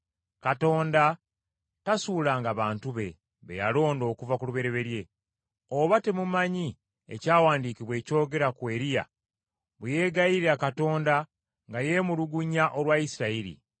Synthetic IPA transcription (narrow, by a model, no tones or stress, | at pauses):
kato̞ːnda | tasuːlaːŋɡaβaːntuβe̞ | βḛja̰lo̞ːndo̞ːkuvakuluβe̞ɾe̞βe̞ɾje̞ | oβate̞mumaɲi | ḛcaːwaːndiːkiβwe̞ːco̞ːɡe̞ɾakwe̞ːɾija̰ | βuje̞ːɡajiɾiakato̞ːnda | ŋɡaje̞muluɡuɲaʔo̞lwaisiɾaiɾḭ